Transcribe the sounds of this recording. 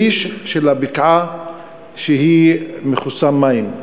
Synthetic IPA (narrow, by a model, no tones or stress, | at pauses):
iʃʃelabikʕa | ʃeɦimeχusamːaim